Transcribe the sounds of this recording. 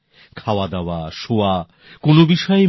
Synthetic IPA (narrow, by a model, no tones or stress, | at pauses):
kʰaoad̪ɛoaʃoa | konobiʃɔe